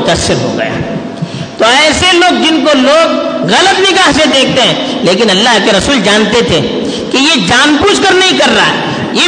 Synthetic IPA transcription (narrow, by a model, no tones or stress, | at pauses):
ʊt̪əsːɪɾɦo̰ɡɐ̰ja̰ː | t̪oɛːseloːɡ̚d͡ʒɪnkoloːɡɣɐlət̪nɪɡaːɦsed̪eːkʰt̪eɦɛ̃ːleːkɪnɐlːaɦkeɾɐsuːld͡ʒaːnt̪et̪ʰe | kijed͡ʒaːnpuːt͡ʃkəɾnɐɦĩkɐɾːa̰ːɦɛ̰ | je